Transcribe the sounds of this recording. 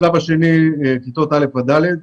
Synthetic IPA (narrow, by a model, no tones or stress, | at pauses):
labaʃenikit̪ot̪alefad̪aled̪̚